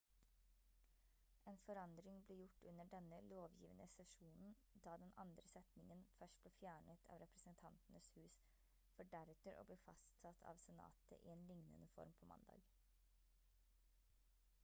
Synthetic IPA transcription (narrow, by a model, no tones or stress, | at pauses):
eːnfɔɾɑnd̪ɾɪŋbliːjʊʈːʉnːəɖɛnəloːʋjiːʋənʔəsɛʂuːnn̩ | d̪ɑːd̪ɛnɑ̰nd̪ɾəsɛt̪nɪŋənfœʂʈ̚b̥leːfjæːɳət̪ʰɑ̰ːʋɾɛpɾəsənt̪ʰɑnt̪n̩əshʉːs | fɔɖæɾʉːt̪əɾʔo̰ːbliːfɑ̰st̪sɑt̪ʰɑ̰ːʋsɛnɑ̰ːt̪ʰə̰ʔɪeːnlɪŋnə̰nəfɔ̰ɾmpʰoːmɑ̰nd̪ɑ̰ːɡ